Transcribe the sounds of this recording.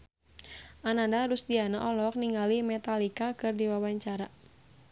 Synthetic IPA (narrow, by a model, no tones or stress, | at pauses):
ʔanandaɾusdiana̰ʔɔlɔk̚niŋɡalimɛt̪alikakɨrdiwawaɲt͡ʃaɾa